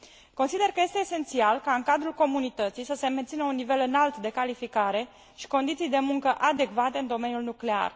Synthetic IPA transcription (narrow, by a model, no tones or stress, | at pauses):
ko̞nsid̪e̞rkəje̞st̪eːse̞nt̪sialkaɨŋkad̪ɾulko̞munit̪ət̪sijsəse̞me̞nt̪sinəunːive̞lɨnalt̪d̪e̞kalifikaɾe̞ | ʃi̥ko̞nd̪it̪sijd̪e̞muŋkəʔad̪e̞kvat̪e̞ɨnd̪o̞me̞nijulnukle̞a̰r